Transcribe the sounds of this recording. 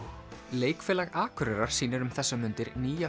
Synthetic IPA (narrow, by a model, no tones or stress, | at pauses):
leːjkfɛːlaɣaːkʰʏɾɛɾaɾ̥siːnaɾʏmθɛsːamʏnt̪ɪɾniːja